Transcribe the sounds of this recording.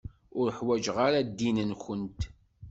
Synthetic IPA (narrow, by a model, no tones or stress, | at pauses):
ʊɾəħwæd͡ʒʁaɾad̪ːinənçənt̪